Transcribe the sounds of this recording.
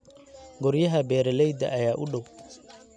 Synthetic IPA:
ɡɔɾjɐɦɐbɛːɾɛlɛjd̪ɐ̰ʔɐjaːʔʊɖɔw

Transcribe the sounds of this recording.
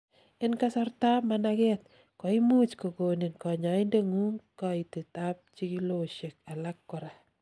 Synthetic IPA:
ɪnkasɔrtamanakɛt̚ | kɔimut͡ʃkokoninkɔɲaɪndeŋuŋkɔitetap̚t͡ʃikiloʃek̚alakːɔɾa

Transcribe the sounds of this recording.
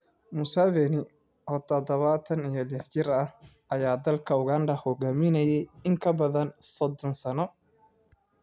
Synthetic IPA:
mʊsɐβɛnɪ | ɔːt̪ʰɔd̪ɔβɐt̪ʰɐnijɔlɪħt͡ʃɪɾɐh | ʔɐjaːd̪ɐlkʰɐʊɣanɖ̪ɐhɔɣaːmɪnɐjɛjɪŋkʰɐbɐðɐnsɔd̪ɔnsɐnɔ

